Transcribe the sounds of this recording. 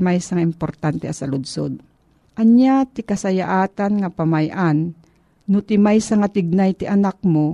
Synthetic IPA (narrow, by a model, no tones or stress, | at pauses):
majsaŋaɪmpoɾt̪ant̪ɛʔasɐlʊd̪so̰d̪̚ | ʔaɲjat̪ɪkasajaʔaːt̪anŋapamajʔanː | ʊt̪ɪmajsaŋat̪ɪɡ̚najt̪ɪʔanak̚mo